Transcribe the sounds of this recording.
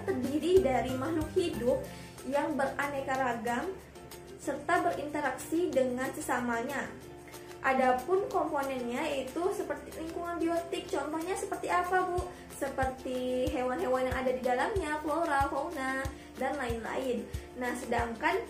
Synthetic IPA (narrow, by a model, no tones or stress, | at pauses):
t̪ərbiɾidaɾimaɦlʊkhidʊp̚ | jaŋbəranekaɾaɡam | sərt̪abəɾint̪əɾaksidəŋansəsamaɲa | ʔadapʊnkomponɛnɲait̪usəpərt̪iliŋkuŋanbiot̪ɪk̚t͡ʃɔnt̪ɔhɲasəpərt̪iapabu | səpərt̪iɦewanɦewanjaŋadadidalamɲakloɾaɦowna | danlaɪnla̰ɪnːahsədaŋkan